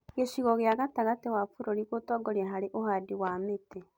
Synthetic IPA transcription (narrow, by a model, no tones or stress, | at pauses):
ɣeɕiɣɔɣjaɣataɣatewafoɾoɾiɣotɔɡoɾiaɦaɾeʔohadiwamete